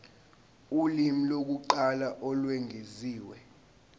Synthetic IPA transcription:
ulimilok̬uǃalaʔɔlwɛŋʱeziːwɛ

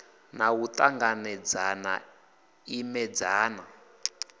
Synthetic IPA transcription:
nawut̪ʼaŋɡanɛd͡zana̰ | imɛd͡zaːna

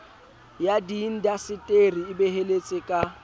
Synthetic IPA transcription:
jadin̩djasɪtʼeriɪbeɦelet͡sʼɪkʼa

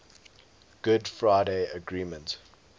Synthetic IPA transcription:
ɡ̥ʊdfɹaɪdeɪəɡɹĩːmə̃nt

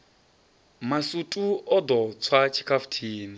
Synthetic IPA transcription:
masutʼuɔdɔt͡sʰwat͡ʃʰi̥kʰafu̥tʰiːni

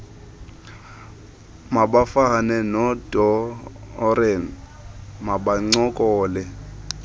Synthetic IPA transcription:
mabafanɛnɔdʼɔː | rɛn | maɓaŋ͡ǀɔkʼɔːlɛ

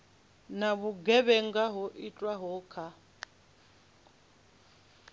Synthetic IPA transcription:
naβuɡɛβɛŋɡaɦɔʔit͡ɬʼwaɦɔːkʰa

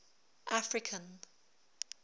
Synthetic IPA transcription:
ʔafɹɪkʰə̃n

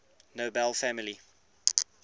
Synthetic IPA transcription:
nobɛlfæmɪli

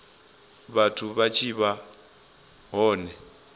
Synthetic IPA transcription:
βatʰuβat͡ʃʰiβa | ɦɔːnɛ

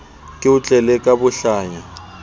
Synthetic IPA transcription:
kʼɪʊt͡ɬʼɛlɛkʼabʊɬaːɲa

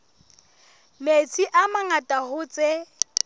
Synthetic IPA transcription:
met͡sʰʼiʔamaŋatʼahʊt͡sʼe

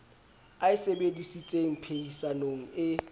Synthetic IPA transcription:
aɪsebedisit͡sʼeŋ̩pʰeisaloŋ̩ɪ

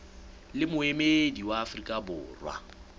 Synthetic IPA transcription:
lɪmʊemediwaːfrikʼabʊːrwa̰

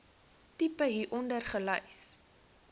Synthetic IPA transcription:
tipəɦiːʔɔndərχələjs

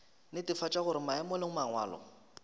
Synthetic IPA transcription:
nɪtɪfat͡ʃʼaɣʊɾɪmaɛmɔlɪŋʊmaŋwa̰ːlɔ̰

